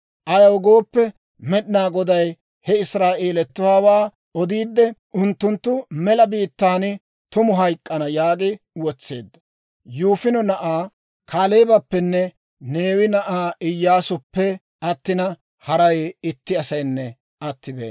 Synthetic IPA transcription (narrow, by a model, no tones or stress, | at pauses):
ʔɐjɐwɡo̞ːpːɛ | mɛɗɪnaːɡɔd̪ɐj | hɛɪsɾaːʔeːlɛt̪ːʊwaːwaː | ɔd̪iːd̪ːɛʔʊnt̪ːʊnt̪ːʊmɛlɐbiːt̪ːaːnɪ | t̪ʊmʊɦɐjkʼːɐnɐjaːkʼɪ | wɔt͡sːe̞ːd̪ːɐ | juːfɪnɔnɐʔaː | kʰaːleːbɐpːɛnːɛ | ne̞ːwɪnɐʔaːʔɪjːaːsʊpːɛ | ɐt̪ːɪnɐ | hɐɾɐjɪt̪ːɪɐsɐjnːɛ | ɐt̪ːɪbḛː